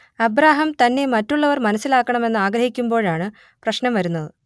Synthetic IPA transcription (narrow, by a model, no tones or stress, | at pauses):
ɐbɾaːɦɐmt̪ɐnːe̞mɐtːuɭːɐʋɐrmɐnɐsːilaːkːɐɳɐme̞nːɨaːɡɾɐhikʲːumbo̞ːɻaːɳɨ | prɐɕnɐmʋɐɾunːɐðɨ